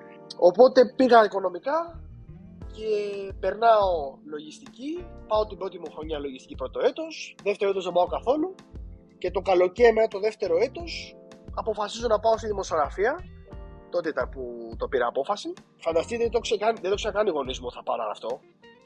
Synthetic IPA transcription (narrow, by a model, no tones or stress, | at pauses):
o̞po̞t̪e̞piɣɐiko̞no̞mikɐ | cepe̞ɾnɐo̞lo̞ʝist̪icipɐot̪ibɾo̞t̪̬imoxɾo̞ɲɐlo̞ʝist̪i̥cipɾo̞t̪o̞e̞t̪osðe̞ft̪e̞ɾoet̪ozðebɐo̞kɐθo̞lu | ce̞t̪o̞kɐlo̞cemenɐt̪o̞ðeft̪e̞ɾo̞e̞t̪o̞sɐpo̞fɐsizonɐpɐost̪iðimo̞sjo̞ɣɾɐfiɐ | t̪o̞t̪et̪ɐput̪o̞piɾɐːpo̞fɐsi | fɐnd̪ɐst̪itðeet̪oksekɐniðed̪o̞ksenɐkɐniɣo̞nizmoθɐpɐnɐ̰ɐ̰ft̪o̞